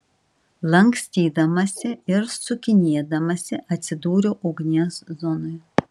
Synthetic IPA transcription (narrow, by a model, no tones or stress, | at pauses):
lˠɐŋʲksʲt̪ʲiːd̪ɐmɐsʲɪɪɾsʊkʲɪnʲiɛd̪ɐmɐsʲɪʔɐt̪ʲsʲɪd̪uːɾʲoːʔʊɡnʲeszɔnoj